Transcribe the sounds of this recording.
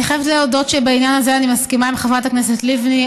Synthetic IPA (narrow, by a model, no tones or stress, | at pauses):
iχajevet̪leodo̞ttʃebainjanazeanimaskimaimχevʁat̪akneset̪livni